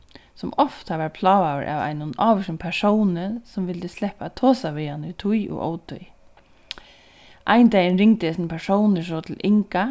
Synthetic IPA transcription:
sʊmɔft̪aʋaɾpʰlɑːʋawɪ̰ɾʔa̰ʋa̰jnʊnɑːʋɪʃɪnpʰɛsownɪnsʊmʋɪlt̪ɪslɛhpat̪ʰoːsaʋɪjanɪt̪ʰujʊ̰ɣo̰ːwt̪ʰʊ̰j | ʔaɪnt̪ajɪnɾɪŋt̪ɪɛsnpʰɛʂownɪs̬ɔːt̪ʰɪlʔɪŋka

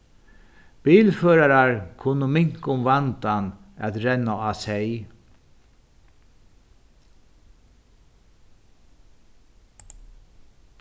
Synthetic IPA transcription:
piːlføːɾaɾaɹkʰʊnʊmɪŋ̥kʊmvant̪anæ̰t̪ɾɛnːaaːsɛj

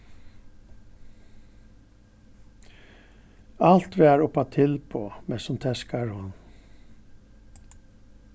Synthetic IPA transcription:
ɑlt̪ʋeːæːɹʊpɑt̪ʰɪlpʰo̰ːmɛsɔmt̪ʰɛskɑɹhɔn

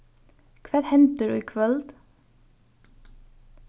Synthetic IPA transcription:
kʰʋɛːɾhɛnt̪əɖʉ̰ikʰʋɛld̪

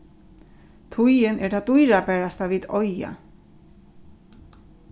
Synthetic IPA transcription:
t̪ʰujɪnɛt̪ʰaːd̪ujɾabɛːɹast̪aʋiːðɔja̰

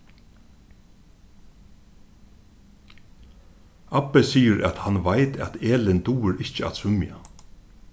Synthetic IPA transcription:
apːɛsiːjəɾæ̰t̪hanʋajt̪ʰæ̰t̪eːlɪnt̪uːɪɾɪht͡ʃəa̰t̪sʏmja̰

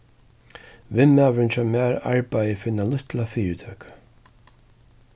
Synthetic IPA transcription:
vɪmːavɾɪnt͡ʃʰɔmaːɾa̰ɹpajəfɪnːalʊht̪lafiːɪt̪ʰœːkʰḁ

